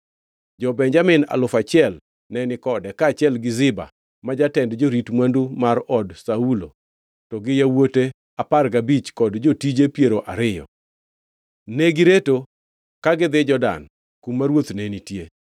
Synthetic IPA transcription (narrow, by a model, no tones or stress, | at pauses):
d͡ʒɔbɛɲd͡ʒamɪna̰lʊfat͡ʃɪɛl | nɛnɪkɔdɛkaːt͡ʃɪɛlɡɪzɪba̰ | mad͡ʒatɛndd͡ʒoɾitmwandumaɾɔdsaulo̰ | tɔɡɪjawote | aparɡabit͡ʃkɔdd͡ʒotid͡ʒepjeɾoʔaɾɪjɔ̰ | neɡɪɾeto | kaɡɪd̪ɪd͡ʒɔda̰n | kumːaɾwot̪nenitje